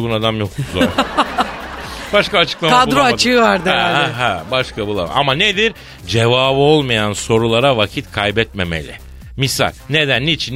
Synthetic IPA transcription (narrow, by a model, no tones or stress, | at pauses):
ɡunad̪amjok̪̚uzɾ | baʃkaːt͡ʃʰɯ̥klˠamad̪ɾˠoat͡ʃʰɯːvaɾd̪ɯaɦæbaʃkabulˠa̰m̰a̰maned̪iɾ | d͡ʒe̞vaːbɯo̞lˠmajanso̞ɾulˠaɾavacʰit̪kʰajbɛt̪me̞mḛlʲɪ̰ | misa̰lʲne̞d̪ænːit͡ʃʰin